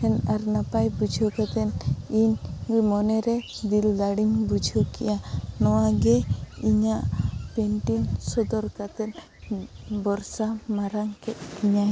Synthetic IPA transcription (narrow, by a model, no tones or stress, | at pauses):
hɛnaɾnapajbud͡ʒʱɔkat̪ɛniɲmɔnɛɾɛd̪ilːaɽiɲbud͡ʒʱɔkḭjanɔwaɡɛiɲaʔpɛnʈinsɔd̪ɔɾkat̪ɛt̪̚ | bɔɾsamaɾaŋkɛt̪̚kiɲaj